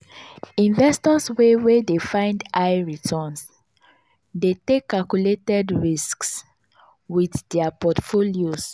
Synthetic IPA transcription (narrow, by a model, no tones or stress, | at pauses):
ĩnvɛstɔswewedefãɪ̃ndaɪɹitʰɔ̃ns | detekːalkjuletɛdɹisks | wiθdɛapɔtfolios